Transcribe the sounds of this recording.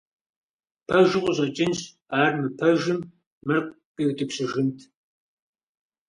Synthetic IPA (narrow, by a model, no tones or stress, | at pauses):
pʰɐʒɨqʷʊʑɐt͡ʃʼɪnɕ | aːrmɨpʰɐʒɪmː | ɨrqʷʼ | pʼiwtɨpʰɕɨʒɪntʰ